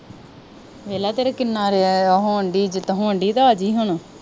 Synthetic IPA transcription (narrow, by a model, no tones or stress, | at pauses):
ʋeːlaːt̪eːɾakɪnːaːɾeaɦõɳɖiːd͡ʒɪt̪ɦõːəɳɖiːt̪aːaːd͡ʒiːɦʊɳː